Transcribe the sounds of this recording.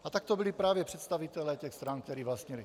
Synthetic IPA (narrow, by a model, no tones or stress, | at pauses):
ʔat̪ak̚t̪obilipɾaːvjɛpr̥ɛt̪st̪avit̪ɛlɛːcɛxst̪ɾank̚t̪ɛɾiːvlast̪ɲɛli